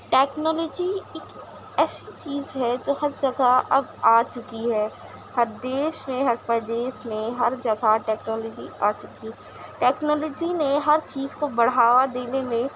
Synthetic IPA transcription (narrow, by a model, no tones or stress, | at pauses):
ʈɛːknɔːlɔːd͡ʒieːk | ɛːsit͡ʃiːzɦɛd͡ʒoːhɐɾd͡ʒɐɡʱaɐbaːt͡ʃʊkiɦɛː | hɐɾd̪eːʃmẽɦɐɾpəd̪eːʃmẽɦɐɾd͡ʒɐɡʱaʈɛːknɔːlɔːd͡ʒḭa̰ːt͡ʃʊkiɦɛː | ʈɛːknɔːlɔːd͡ʒineɦɐɾt͡ʃiːzkobɐɽaːwad̪eːnemẽ